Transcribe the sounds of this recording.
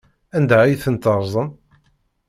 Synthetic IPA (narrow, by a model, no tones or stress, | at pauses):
ænd̪æijθənt̪əɾˤzˤən